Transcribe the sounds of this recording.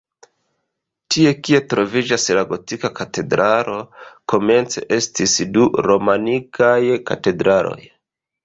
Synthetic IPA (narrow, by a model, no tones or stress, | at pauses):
tie̞kie̞tɾo̞vid͡ʒaslaɡo̞tikakate̞dɾʔalo̞ko̞me̞nt͡se̞̰ʔe̞stisduɾo̞manikajka̰te̞dɾalo̞̰j